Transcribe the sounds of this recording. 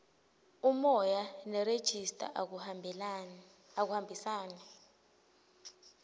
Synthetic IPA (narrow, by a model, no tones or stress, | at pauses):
umɔjanɛred̥ʒ̥ʱistʼa̰ | ak̬uhambʱisaːnɛ